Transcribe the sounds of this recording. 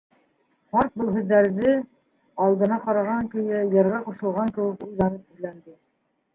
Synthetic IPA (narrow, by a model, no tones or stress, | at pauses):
χɑɾt̪̚bɤ̆lˠɦɵ̆ðːæɾðɘ | ɑlˠd̪ɤ̆nɑqɑɾɑʁɑŋkɵ̆jæjɑ̆ɾʁɑquʃɤ̆lˠʁɑŋkɘ̆wɘkujðɑɾɤpɘ̆ðlænd̪ɘ